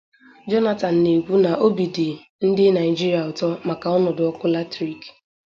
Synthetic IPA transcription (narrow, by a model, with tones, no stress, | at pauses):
d͡ʒɔ˦na˦ta˨n̩˨ne˨ɡʷu˦na˨ʔo˦bi˨dɪ˨ | n̩˦dɪ˦na˨ɪ˨d͡ʒi˦ɾi˨a˨ʊ˨tɔ˦ma˨ka˨ɔ˦nɔ˨dʊ˨ɔ˦kʊ˦la˦tɾi˦k